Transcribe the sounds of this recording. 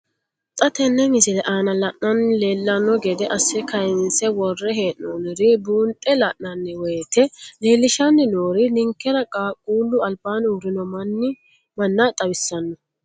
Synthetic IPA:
t̪ʼɐt̪ɛnːɛmɪsɪlɛʔaːnɐlɐʔnɐnleːlːɐnːɔɡɛd̪ɛʔɐsːɛkɐjɪnsɛwɔrːɛɦeːʔnoːnɪɾɪbuːnt̪ʼɛlɐʔnːɐnːɛweːt̪ɛle̞ːlːɪʃɐnːɪnoːɾɪnɪŋkːɛɾɐkʼaːkʼuːlːʊɐlbaːnʊɾɪnɔmɐnːɪ | mɐnːat̪ʼɐbɪsːɐnːɔ

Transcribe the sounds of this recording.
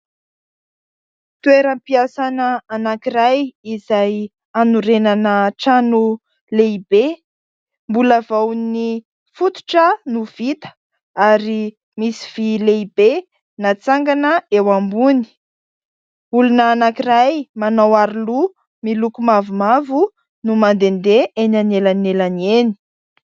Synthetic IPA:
t̪uweɾəpiasanəanakiɾajizaj | anuɾenanəʈ͡ʂanu | leibe | mbulavawni | fut̪u̥ʈ͡ʂənuv̥it̪ə̥ | aɾi | misi̥v̥ileibe | nat͡saŋɡanəewambuni̥ | ulunaːnakirajmanawaɾilu | milukumavumavu | numand̪end̪eʔenanelanelaneni̥

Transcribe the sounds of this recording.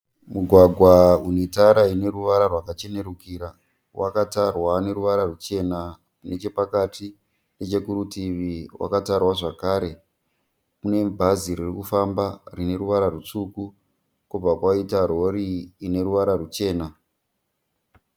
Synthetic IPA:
muɡʱwaɡʱwaunetaɾaine̞ruʋaɾarwakat͡ʃe̞ne̞ɾukiːɾa | wʔakatarwane̞ɾuʋaɾarut͡ʃe̞na | kune̞t͡ʃe̞pakati | ne̞t͡ʃe̞kuɾutiriwʔa̰katarwaʐakaːɾe̞ | mune̞bʱaziɾirikufambarine̞ɾuʋaɾarut͡suku | kub͡vakwaitaro̞ɾiːne̞ruʋaɾarut͡ʃe̞ːna

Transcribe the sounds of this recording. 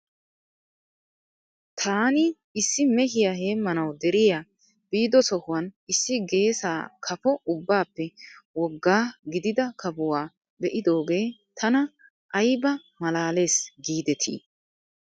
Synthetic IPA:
t̪ʰaːnɪ | ɪsːɪmɛɦɪjaɦe̞ːmːɐnɐwd̪ɛɾɪja | b̥iːd̪ɔsɔhʊwɐnɪsːɪɡe̞ːsaːkʰɐfɔʊbːaːpːɛwɔɡːaːɡɪd̪ɪd̪ɐkʰɐbʊwaː | bɛʔɪd̪o̞ːɡe̞ːt̪ʰɐnɐ | ʔɐjbɐ | mɐlaːle̞ːsɡiːd̪ɛt̪ʰḭː

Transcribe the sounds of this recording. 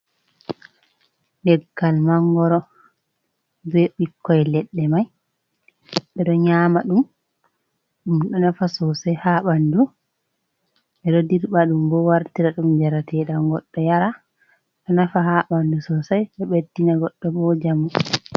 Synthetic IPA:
nɛɡːalmaŋɡɔɾɔ | bɛɓikːɔjlɛɗːɛmaj | ɓɛɗɔɲaːmaɗum | ɗumɗɔnafasɔsajhaːɓandu | ɓɛɗɔdiɾɓaɗumbɔwaɾtiɾaɗumd͡ʒaɾatʰɛɗaŋɡɔɗːɔjaɾa | ɗɔnafaɦaɓandusɔsajɗɛɓedːinaɡɔɗːɔbɔd͡ʒamu

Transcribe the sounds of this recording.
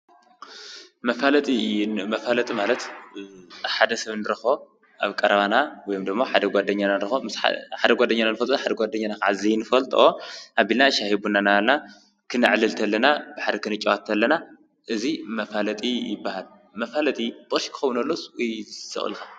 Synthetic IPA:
mɐfalɐt̪ʼimɐfalɐt̪ʼimalɐt̪ | ħad̪ɐsɐβnɨɾɨxo | ʔaβkʼɐɾɐβanawɔjomd̪ɨmːoħad̪ɐɡʷad̪ɐɲːananɨɾɨxomɨsħa̰ħad̪ɐɡʷad̪ɐɲːananɨfɐlt̪ʼħad̪ɐɡʷad̪ːɐɲːanakaʕazijnɨfɐlt̪ʼoʔabilnaʃahibunanalna | kʰɨnɨʕlɨlt̪ʰɐlːɐnab̥aħad̪ɐkʰɨnɨt͡ʃʼawat̪ʰːɐlːɐna | ʔɨzimɐfalɐt̪ʼijɪbːahal | mɐfalɐt̪ʼibʼoɾʃi̥kɨ̥xɐwunɐlːosjsɨ̰χʼɨ̰lxa

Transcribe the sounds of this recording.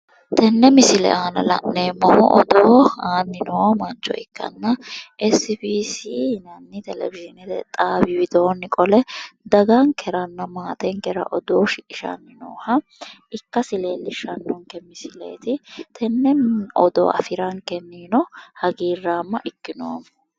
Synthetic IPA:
t̪ɛnːɛmɪsɪlɛ̰ʔaːnɐlɐ̰nnːeːmɔhɔʔɔd̪oːaːnːɪnoːmɐnt͡ʃːɔ̰ɪkːɐ̰nːɐɛsbiːsiːnɐnːɪt̪ɛlɛ̰ɡɪʒɪnɛt̪ɛ̰t̪ʼaːbɪwɪd̪oːnːɪkʼɔlɛd̪ɐɡɐŋkʰɛɾɐnːɐmaːt̪ɛŋkɛɾɐ̰ʔɔd̪oːʃɪkʼɪʃɐ̰nːɪno̰ːhɐɪkːɐsɪle̞ːlːɪʃɐnːɔŋkɛmɪsɪlḛːt̪ɪt̪ʰɛnːɛnɔ̰d̪o̰ːʔɐ̰fɪɾɐŋkɛnːiːnɔhɐɡiːrːaːmːɐʔɪkːɪnoːm

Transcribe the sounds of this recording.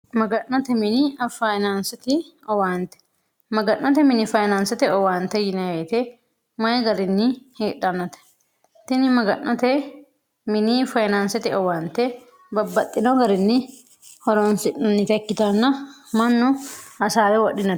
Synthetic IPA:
mɐɡɐnːɐt̪ɛmɪnɪɐfajnaːnsɐt̪ɪ | ɔwaːnt̪ɛ̥ | mɐɡɐnːɐt̪ɛmɪnɪfɐjnaːnsɛt̪ɛɔwaːnt̪ɛjɪnɐweːt̪ɛ | mɐjɛɡɐɾɪnːɪheːᶑɐnːɐt̪ɛ̥ | t̪ɪnɪmɐɡɐʔʔɐt̪ɛ | mɪnɪfɐjnaːnsɛt̪ɪɔwaːnt̪ɛ | bɐbːɐt̪ʼːɪnoɡɐɾɪnːɪ | hɔɾoːnsɪʔɐnːɪt̪ɐkːɪt̪ɐnːɐmɐnːɔɐsaːlɛwɐᶑɪnɐ

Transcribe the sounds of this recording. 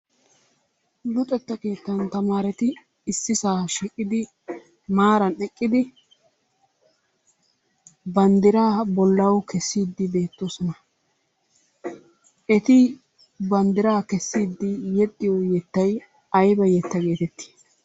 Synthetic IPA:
lʊt̪ʼɛt̪ːɐkeːt̪ːɐnt̪ɐmaːɾɛt̪ɪː | sːɪsaːʃiːkʼːɪd̪ɪ | maːɾɐnɛkʼːɪd̪ɪ | bɐnd̪ɪɾaːbɔlːɐwkʰɛsːiːd̪ːɪbe̞ːt̪ːoːsɔnɐ | ʔɛt̪ɪ | bɐnd̪ɪɾaːkɛsːiːd̪ːɪjɛt̪ʼːɪjɔjɛt̪ːɐj | ɐjbɐjɛt̪ːɐɡe̞ːt̪ɛt̪ːi̥ː

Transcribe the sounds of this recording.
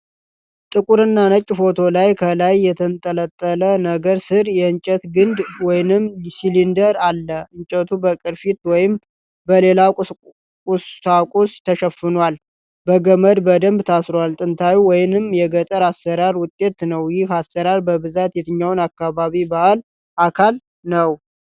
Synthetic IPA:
t̪ʼɨkʼuɾɨnːanət͡ʃʼːfo̞t̪ʰo̞lajkʰəlajːɛt̪ʰənt̪ʼələt̪ʼːələnəɡəɾsɨɾjɛɨɲt͡ʃʼɛt̪ɡɨnd̪wɔjnɨmsilind̪əɾalːəɨɲt͡ʃʼət̪ʰubəkʼɨɾfit̪wɔjɪm | bəle̞la | kʼʊsakʼost̪ʰəʃəfːɨnwal | bəɡəməd̪bəd̪əmbt̪ʰasɾoalt̪ʼɨnt̪ʰajuwɔjɪnɨmjɛɡət̪ʼəɾasːəɾaɾwʊt̪ʼːe̞t̪nəwjɪhasːəɾaɾbəβɨzat̪jɛt̪ʰɨɲːawʊnakːaβaβibahal | ʔakʰal | nəw

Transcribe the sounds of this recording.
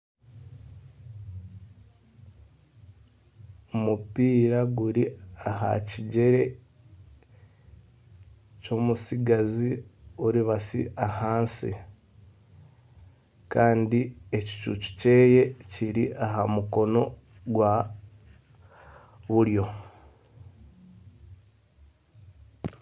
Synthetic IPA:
omupiːɾaɡuɾiaɦa̰ciɟe̞ɾe̞ | co̞musiɡaziuɾiβasḭʔahaːnsḭ | kaːndie̞ci̥t͡ʃṵt͡ʃu̥ce̞ːje̞ciɾiʔaɦamuko̞no̞ | ɡwa | βuɾjo̞

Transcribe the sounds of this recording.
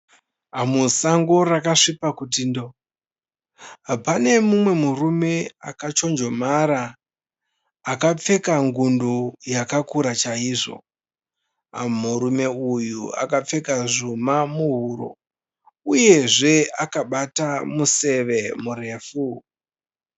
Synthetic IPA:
amusaŋɡo̞rakaʂipakutindo | pane̞mumwe̞murume̞a̰kat͡ʃo̞nd͡ʒo̞maɾa | kap͡fe̞kaŋɡundujakakuɾat͡ʃaiːʐo̞̰ | a̰muɾume̞ujua̰kap͡fe̞kaʐumamuɦuɾo̰ | uje̞ʐe̞akaɓatamuse̞ʋe̞mure̞ːfu

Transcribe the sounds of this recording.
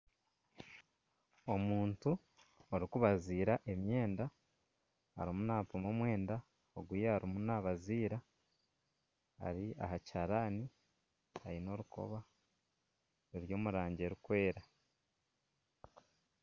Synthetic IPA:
o̞muːntu | oɾikuβaziːɾaʔe̞mje̞ːnda | a̰ɾimunaːpomomwe̞ːnda | oɡwujehaɾimunaβaziːɾa | a̰ɾia̰ɦacaɾaːni | haino̞ɾuko̞̰βa | ɾuɾjo̞ːmuɾaːɲɟe̞ɾukwe̞ːɾa

